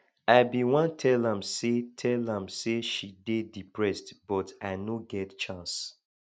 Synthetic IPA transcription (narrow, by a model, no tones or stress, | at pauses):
aɪbiwɔ̃ntʰɛlãmsetʰɛlãmseʃidedipʰɹɛstb̥ɔtaɪnoɡɛtt͡ʃãns